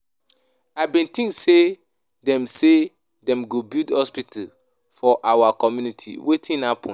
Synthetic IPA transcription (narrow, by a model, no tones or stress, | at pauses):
abĩntĩŋkse | dɛ̃mse | dɛ̃mɡobildhɔspital | fɔʔawakɔmjunitʰḭwetʰĩnhapʰɔ̃n